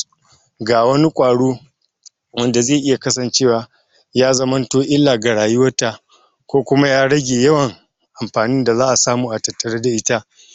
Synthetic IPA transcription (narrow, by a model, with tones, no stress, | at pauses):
ɡaː˨wɐ˦ni˦kʷʼaː˨ɽuː˦ | wɐ˦nda˨zeː˦˨ʔɪ˦ja˨kɐ˦sɐ˨nt͡ʃeː˦˨waː˨ | jaː˦zɐ˦mɐ˦ntoː˦ʔɪ˦lːaː˨ɡa˨ɽaː˨jʊ˦wɐ˦ta˨ | kʷoː˦kʷʊ˦ma˦jaː˦ɽɐ˦ɡʲeː˨jɐ˦wɐ˨ŋ | ʔa˨mɸaː˨nɪ˦nda˨zaː˦ʔa˨saː˦muː˨ʔa˨tɐ˨tːɐ˨ɽɐ˦da˨ʔɪ˦ta˦ʔ